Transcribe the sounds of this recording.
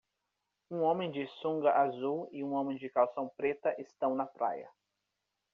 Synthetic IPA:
ũõmẽj̃d͡ʒɪsũŋɡɐʔazuwɪũõmẽj̃d͡ʒɪkawsɐ̃w̃pɾet̪ɐʔɪst̪ɐ̃w̃nɐpɾa̰jɐ̰

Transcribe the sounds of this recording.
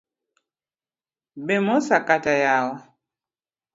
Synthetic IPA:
bɛmɔsakatajawɔ

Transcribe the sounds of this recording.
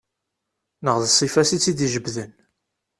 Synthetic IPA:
nəʁðsˤːifæsit͡sːid̪iʒəbðən

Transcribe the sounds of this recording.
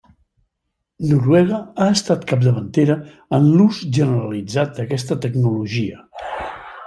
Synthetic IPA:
nuɾwɛɣ̞əaəst̪at̪kap̚d̪əβənt̪eɾə | ənluzʒənəɾəlid͡zat̪̚d̪əkɛst̪ət̪əknuluʒiə

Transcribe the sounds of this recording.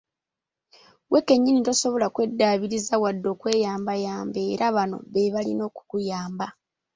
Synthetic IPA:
wʔekːe̞ɲːinitoso̞βo̞lakwe̞dːaːβiɾizawadːo̞ːkwe̞ːjaːmbajaːmbe̞ːɾaβano̞̰βeβalḭno̞ːku̥kujaːmba

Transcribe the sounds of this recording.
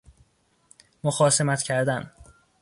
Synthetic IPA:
moxɒːse̞mæt̪ʰcʰæɾd̪æn

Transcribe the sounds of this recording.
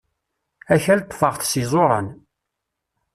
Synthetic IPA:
æçælt̪ːˤə̥fəʁθsizˤoɾˤə̰n

